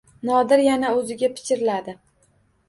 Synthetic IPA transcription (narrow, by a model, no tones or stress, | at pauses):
nɒd̪ɪɾjanaɵzɪɡʲapʰɪ̥t͡ʃʰʲɪɾɪlad̪ɪ